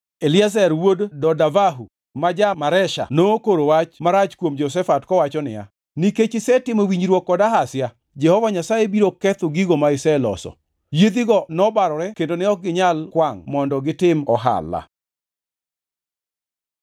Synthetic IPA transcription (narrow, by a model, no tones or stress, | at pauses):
elɪazɛɾwoddɔdavaɦu | mad͡ʒamaɾɛʃa̰nokoɾowat͡ʃmaɾat͡ʃkwomd͡ʒɔs̬ɛfatkɔwat͡ʃɔnɪ̰ja̰ | niket͡ʃɪsɛtɪmowiɲɾwɔkːɔdaɦasja | d͡ʒɛhɔvaɲasajebiɾokːɛt̪ʊɡiɡomaɪsɛlɔ̰sɔ̰ | jed̪iɡɔnɔbaɾɔɾɛkendonɪɔk̚ɡɪɲalkwaŋmɔndɔɡɪtɪmɔɦa̰la̰